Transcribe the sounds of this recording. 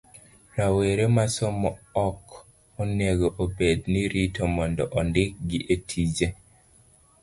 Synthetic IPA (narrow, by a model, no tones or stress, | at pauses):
ɾaweɾemasɔmɔɔk | oneɡoʔobedniɾitʰomɔndɔʔɔndɪk̚ɡɪʔetʰid͡ʒe